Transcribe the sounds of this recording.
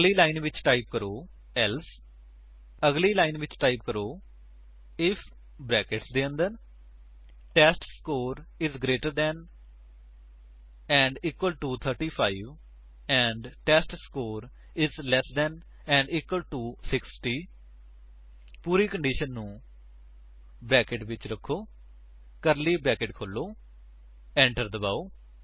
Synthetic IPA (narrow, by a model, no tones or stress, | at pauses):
liːlaːɪnʋɪt͡ʃʈaːɪp̚kəɾoː | ɛls | əɡliːlaːɪnʋɪt͡ʃʈaːɪp̚kəɾoː | ɪpʰ | bɾɛːkɪʈsd̪eːə̃nd̪ən | ʈɛːsʈskoːɾɪzɡɾeːʈəɾd̪ɛːn | ɛ̃ːɳɖiːkwəlʈuːt̪ʰəɾʈiːpʰaːɪʋ | ɛ̃ːɳɖʈɛːsʈskoːɾ | ɪzlɛsd̪ɛːn | ɛ̃ːɳɖiːkwəlʈuːsɪksʈiː | puːɾiːkə̃ɳɖiːʃənːũː | bɾɛːkɪʈʋɪt͡ʃɾəkʰːoː | kəɾliːbɾɛːkɪʈkʰolːoː | ɛ̃ːɳʈəɾd̪əbaːoː